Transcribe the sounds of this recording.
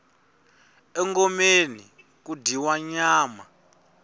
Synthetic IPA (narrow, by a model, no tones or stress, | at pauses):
ɛŋɡɔmeni | kudiwaɲaːma